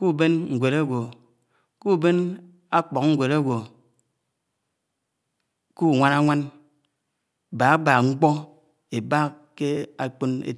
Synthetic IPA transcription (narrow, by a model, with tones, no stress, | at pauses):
ku˦˨be˦nŋ̩˨ɡʷe˨ɾa˦ɡʷo˨ | ku˦˨be˦n | a˦k͡pɔ˨kŋ̩˦ɡʷe˨ɾa˦ɡʷo˨ | ku˦˨ŋʷa˦na˦ŋʷa˦n˨ | ba˨a˦ba˨ŋ͡m̩˦k͡pɔ˦ | e˨ba˦ | ke˦a˨k͡po˦nḛ˦